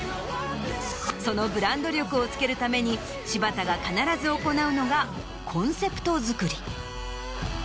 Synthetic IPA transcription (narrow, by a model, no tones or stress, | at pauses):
so̞no̞bɯ̟ɾãnd̪o̞ɾʲo̞kɯ̟o̞t͡sɨ̥ke̞ɾɯ̟t̪ame̞ɲ̟i | ɕibat̪aɡakanaɾazɨo̞ko̞naɯ̟no̞ɡa | kʰõ̞ɰ̃se̞pɯ̟̥t̪o̞zɨkɯ̟ɾʲi